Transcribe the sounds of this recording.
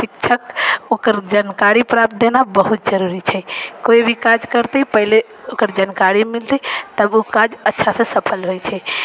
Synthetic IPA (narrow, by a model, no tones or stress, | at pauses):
pikt͡ʃʰəkokəɾd͡ʒankaɾipɾap̚t̪̚d̪enabəɦut̪̚d͡ʒəɾuɾit͡ʃʰɛkoibʱikad͡ʒkəɾt̪əpəɦile | okəɾd͡ʒankaɾimilt̪it̪əbokad͡ʒətːʃʰasə̃səpʰəlɦojt͡ʃʰɛ